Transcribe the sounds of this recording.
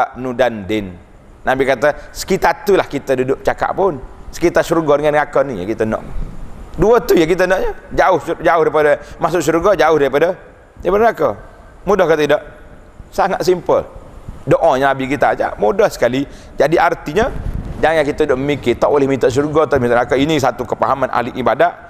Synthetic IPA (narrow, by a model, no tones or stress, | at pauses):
ʔnudandɪnː | abikat̪əsə̥kit̪at̪ulahkit̪ədudʊʔ̚t͡ʃaka̰ʔpʊnsə̥kit̪asuɾuɡɔdəŋanŋakənija̰kit̪ənɔ̰ʔ | duət̪ujakit̪ənɔʔɲəd͡ʒaʊhd͡ʒaʊhdaipadəmasʊʔsuɾuɡɔd͡ʒaʊhdaɾipadə | daɾipadəŋakə | mudɔhkət̪idɔʔ | saŋat̪s̬impə̰ldoʔɔɲənabikit̪a̰d͡ʒa̰ʔmudɔhsə̥kali | d͡ʒadiʔart̪iɲəd͡ʒaŋjaŋkit̪əudʊʔməmikɪt̪ɔʔolɪhmit̪ɔʔs̬uɾuɡɔt̪ɔʔmit̪ɔʔŋakəinis̬at̪ukəpa̰ɦamanʔa̰liʔibadaʔ